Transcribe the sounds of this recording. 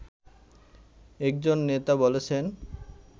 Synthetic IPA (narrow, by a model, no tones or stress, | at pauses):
ɛk̚d͡ʑonːet̪abolet͡ɕʰen